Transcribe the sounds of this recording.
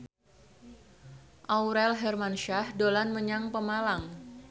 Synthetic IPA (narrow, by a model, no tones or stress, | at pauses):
ʔawɾɛlɦɛrmanʃahdolanməɲaŋpəmalaŋ